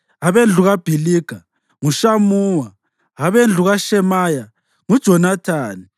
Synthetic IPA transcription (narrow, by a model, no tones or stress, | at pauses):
aβend͡ɮʱuɣab̥ʱiliːɡ̥ʱa | ŋuʃamuːwa | aβend͡ɮʱuɣaʃɛmaja | ŋud̥ʒ̥ʱɔnatʰaːni